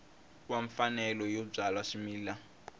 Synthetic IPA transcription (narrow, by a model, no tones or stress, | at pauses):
waɱfanɛlɔjɔb͡ʐalwaʂimiːla